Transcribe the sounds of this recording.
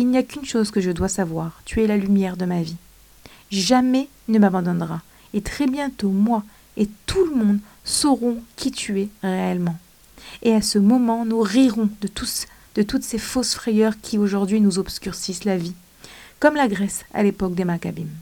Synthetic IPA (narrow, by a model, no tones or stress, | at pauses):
ilnijakʲynʃozkəʒəd̪wasavwaːʁt̪yɛlalymjɛʁd̪əmavi | ʒamɛ | nəmabɑ̃d̪ɔ̃nʁa | et̪χɛbjɛ̃t̪omwa | et̪uləmɔ̃d̪ | sɔʁɔ̃kʲʰit̪yeʁeɛlmɑ̃ | easəmɔmɑ̃nuʁiʁɔ̃d̪ət̪us | d̪̥ət̪ut̪sefosfχɛjœʁkʲʰioʒuʁd̪ɥinuzɔbskʲyʁsislavi | kɔmlaɡʁɛsa̰lepɔk̚d̪emakabim